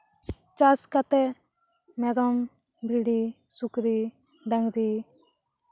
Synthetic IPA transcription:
t͡ʃaskat̪ɛ | mɛd̪ɔm | bʱiɽisukɾi | ɖaŋɾi

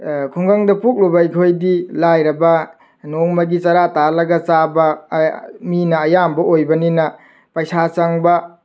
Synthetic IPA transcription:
kʰuŋɡaŋdɐpuk̚lubɐikʰojdilajɾɐbɐ | noŋmɐɡit͡ʃɐɾatalɐɡɐt͡ʃabɐ | minɐːjambɐʔojbɐninɐ | pɐjsat͡ʃaŋbɐ

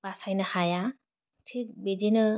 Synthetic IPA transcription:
basajnɐhaja | tʰibed͡ʒinɯ

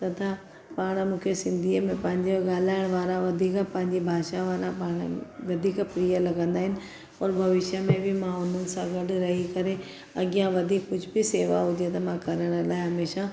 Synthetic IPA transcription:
t̪ɐt̪ʰa | paːɽ̃mũːkʰesɪ̃nd̪ʱiːəmẽpɐ̃ɦɪ̃ɲd͡ʑeɡaːl̤aːɪɽ̃ʋaːɾãʋɐd̪ʱiːkapɐ̃ɦɪ̃ɲd͡ʑibʱaːʃaʋaːɾapaːɽ̃ʋɐd̪ʱiːkpɾijəlɐɡə̃nd̪aːɦɪnɪ̆ | ɔːɾbʱɐʋɪʃjəmẽbʱɪmãʊn̤ənɪ̆sãɡɐɖɾɐɦikɐɾe | ɐɡijãʋɐd̪ʱiːkːʊd͡ʑʱʊbʱɪseːʋa̰ɦʊd͡ʑet̪ɐmãkɐɾəɽ̃əlaːɪɦɐmeːʃa

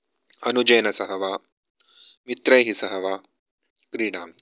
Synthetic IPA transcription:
ɐnud͡ʒɐjɐnɐsɐɦɐʋaː | mit̪ɾɐjɦisɐɦɐʋaː | kɾiːɽaːm

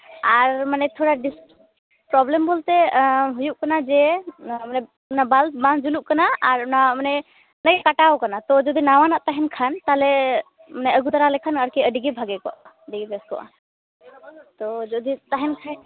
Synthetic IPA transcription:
aɾmanɛt̪ʰɔɽaɖis | pɾɔblɛmbɔlt̪ɛɦujuʔkanad͡ʒɛmanɛ | nabalband͡ʒuluʔkanaaɾunamanɛ | nəɡɛkaʈawkanat̪ɔd͡ʒɔd̪inawanaʔt̪aɦɛnkʰant̪alɛ | manɛəɡut̪aɾalɛkʰanaɾkɛəɖiɡibʱaɡɛkɔ̰ʔəɖiɡibɛskɔ̰ʔa̰ | t̪ɔd͡ʒɔd̪it̪aɦɛnkʰa

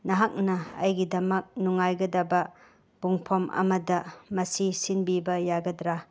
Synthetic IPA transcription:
nɐɦak̚nɐɐ̰jɡidɐmɐk̚nuŋajɡɐdɐbɐ | b̥uŋpʰomɐ̰mɐdɐmɐsisinbibɐjaɡɐdɾa

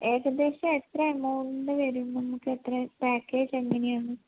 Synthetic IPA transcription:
e̞ːkɐd̪e̞ːɕɐmet̪ːrɐemoːɽunɖɨʋɐɾumnɐmːukːɨet̪rɐpæːkːeːd͡ʑeŋːɐnejaːɳu

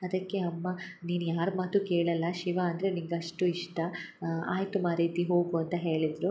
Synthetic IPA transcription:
ɐd̪ɐkːe̞ɐmːɐniːnujaːɾmaːt̪ukeːɭɐlːɐʃiʋaɐnd̪ɾe̞niŋɡɐʂʈuiʂʈɐa̰ːjt̪umaːɾiːt̪iɦo̞ːɡuɐnt̪ɐɦe̞ːɭid̪ɾu

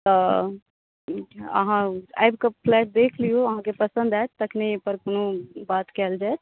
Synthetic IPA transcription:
t̪ɔ | ə̰ɦãa̰ɪbkɐpʰlɛːʈ̚d̪eːkʰlijoɐɦãkepɐsə̃nd̪ɛt̪ːɐknepəɾkonõbaːt̪kɛːld͡ʒaet̪

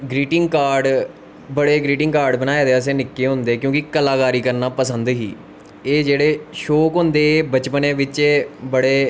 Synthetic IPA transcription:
ɡɾiːʈɪ̃ŋɡkaːɾɖ | bəɽeːɡɾiːʈɪ̃ŋɡkaːɾɖbənaːeːd̪eːs̬eːnɪkːeːɦʊ̃nd̪eːkjõːkɪkəlaːkaːɾiːkəɾnaːpəsənd̪ɦḭː | eːd͡ʒeːɽeːʃoːkɦʊ̃nd̪eːbət͡ʃpənẽːʋɪt͡ʃebəɽeː

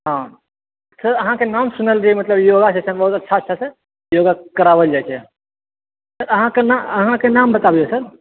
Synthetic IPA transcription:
ɦã | səɾəɦãkenamsunəld͡ʒemət̪ləbjoɡasʰesʰənbəɦut̪ətːʃʰatːʃʰasə | joɡakəɾabəld͡ʒajt͡ʃʰɛ | səɾəɦãkenaəɦãkenambət̪abiosəɾ

